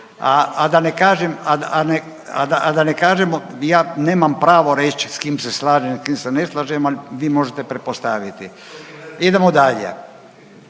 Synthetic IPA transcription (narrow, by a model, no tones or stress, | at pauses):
aad̪anekaːʒemad̪aane | a̰d̪aad̪anekaːʒemojaːneːmampɾaːʋo̞ɾet͡ʃskiːmseslaːʒemskiːmseneslˠaːʒemaliʋiːmo̞ʒet̪epɾet̪̚post̪aʋit̪i | id̪emod̪aʎḛ